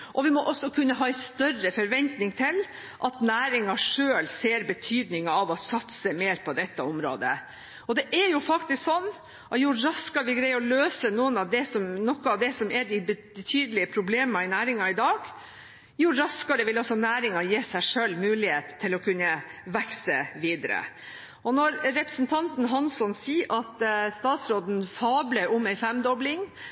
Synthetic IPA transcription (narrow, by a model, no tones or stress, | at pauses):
ʔɔʋɪmɔʔɔsːɔkʰʉnːəɦɑːɛɪst̪œrːəfɔɾʋɛnt̪nɪŋt̪ʰɪl | ʔɑt̪næːɾɪŋɑʂøːlseːɾbət̪ʰyːd̪nɪŋɑɑʋɑsɑt̪səmeːɾpʰɔd̪ɛt̪ːəɔmɾo̰ːd̪ə̰ | ɔd̪ɛʔɛɾjʊfɑkt̪ɪsksɔnː | ʔɑjʊɾɑskɑʋɪɡɾɛɪɔløːsənuːənɑʋd̪ɛsɔmnɔkːəɑʋd̪ɛsɔmɛɖɪbə | ət̪ʰyːd̪əlɪəpʰɾʊbleːmɑɪnæːɾɪŋɑɪd̪ɑːɡ | jʊɾɑskɑɾəʋɪlɑlsɔnæːɾɪŋɑjeːsæɪʂøːlːmʉːlɪheːt̪ʰːɪlɔkʰʉnːəʋɛksəʋiːd̪əɾə̰ | ʔɔnɔɾɾɛpɾəsn̩t̪ʰɑnt̪n̩ɦɑnsɔnsiːʔɑt̪st̪ɑːt̪sɾoːd̪n̩fɑːbləɾʔʊmæɪfɛmd̪ɔblɪŋ